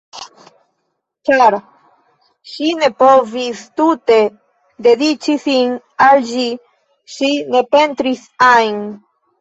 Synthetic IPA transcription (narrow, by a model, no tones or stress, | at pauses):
t͡ʃaɾ | ʃine̞povist̪ut̪e | d̪e̞d̪it͡ʃisin | alʒi | ʃine̞pent̪ɾisajn